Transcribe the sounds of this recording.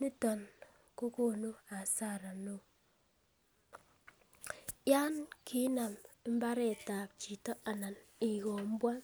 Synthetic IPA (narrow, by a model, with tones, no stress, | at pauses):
ni˦tɔ˨n | ko˦ko˦˨no˦a˨sa˦˨ɾa˨no˨ | ja˦nkʰi˦na˨m˦mba˦ɾɛ˦˨ta˨p̚t͡ʃi˨tɔ˦a˨na˨ni˨ko˨m˦bwa˦